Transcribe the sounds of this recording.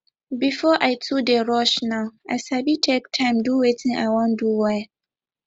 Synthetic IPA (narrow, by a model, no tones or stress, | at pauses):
bifɔʔaɪtʰudɛɾɔʃnãʊa̰sabitʰek̚tʰãɪ̃mduwetʰĩʔa̰wɔ̃nduwɛ